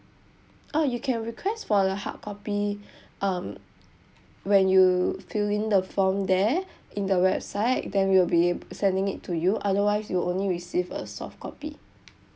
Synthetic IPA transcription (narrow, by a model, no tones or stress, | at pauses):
ʔajukʰɛ̃nɹikʰwɛstfɔəha̰t̚kʰɔpi | ʔʌ̃m | wɛ̃njufilĩndəfɔ̃mdɛʔĩndəwɛbsaɪt̚dɛ̃nwiwilbiebsɛ̃ndɪ̃ŋitʰːujuʔadəwaɪsjuõnliɹisivə̰sɔ̰fkʰɔ̰pḭ